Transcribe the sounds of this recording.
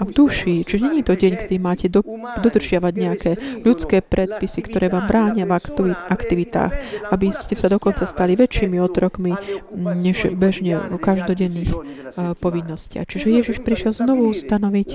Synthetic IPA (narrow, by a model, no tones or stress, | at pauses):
ʔavd̪uʃiːt͡ʃiʒɛɲɛɲiːt̪ɔɟɛɲkɛd̪imaːcɛd̪ɔd̪r̩ʒɪaʋaɟɲɛakʰɛːʎut͡skɛːpɾʔɛt̪̚pisikt̪ɔɾɛːʋaːmbɾaːɲɪavaʔakt̪iʋit̪a̰ːxabiscɛsad̪ɔkɔnt͡sast̪aliʋɛt͡ʃiːmiɔt̪ɾɔkmiɲɛʒbɛʒɲɛkaʒd̪ɔɟɛnːiːx | pɔʋinːɔscɪa̰xt͡ʃiʒɛjɛʒiʃpɾiʃɪjɛlznɔʋuust̪anɔʋic